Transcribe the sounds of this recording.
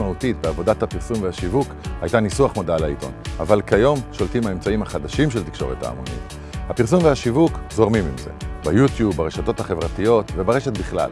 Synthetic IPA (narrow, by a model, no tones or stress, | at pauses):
mautitbeavo̞dathapiʁsumveaʃivukhajtanisuaχmodalaḭto̞̰na̰valkajo̞mʃoltimhae̞mt͡saimhaχadaʃimʃ̬elt̪ikʃo̞̰ʁeta̰ːmo̰nḭt | hapiʁsumveaʃivukzo̞ʁmimimze̞̰bejutjubːaʁeʃato̞thaχe̞vʁatijo̞tvebaʁe̞ʃetbiχla̰l